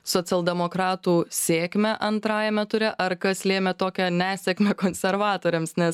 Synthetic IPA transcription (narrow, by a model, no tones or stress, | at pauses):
soːt͡s̪ʲɛlˠd̪ʲɛmoːkɾɑːt̪uːsʲeːkmʲɛʔɐnt̪ɾɑːjɛmʲɛt̪ʊɾʲɛʔɐɾkɐslʲeːmʲɛt̪oːkʲɛnʲæːsʲɛkmʲɛkoːnʲsʲɛɾʋɑːt̪oːɾʲɛmsnʲɛs